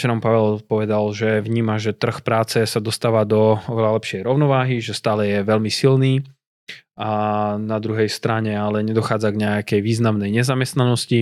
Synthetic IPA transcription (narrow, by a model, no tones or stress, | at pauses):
t͡ʃɛɾɔmpaʋɛlpɔʋɛd̪alʒɛvɲiːmaʒɛt̪r̩xpɾaːt͡sɛsad̪ɔst̪aːʋad̪ɔɔʋɛlalɛpʃɪɛjɾɔʊnɔʋaːɦiʒɛst̪aːlɛjɛʋɛlmisilniː | anad̪ɾuɦɛjst̪ɾaɲɛalɛɲɛd̪ɔxaːd͡zaɡɲɛakɛjʋiːznamnɛjɲɛzamɛst̪nanɔsci